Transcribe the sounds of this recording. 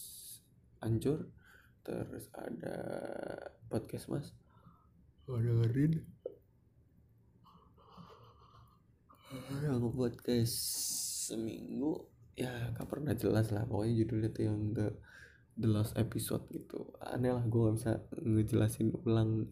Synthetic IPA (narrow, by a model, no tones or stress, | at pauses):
ʔaɲt͡ʃʊr | t̪ə̰ɾʊ̰sa̰da̰ | pɔt̪̚kɛsmʔa̰s | adaŋəɾɪn | jaŋəpɔt̪̚kassːəmḭŋɡujakapərnahd͡ʒəlaslahbakaɲad͡ʒudʊlat̪ujaŋdə | dəlɔsepiso̰t̪̚ɡit̪ṵa̰nalahɡuaŋabisaŋəd͡ʒəlasɪnulaŋ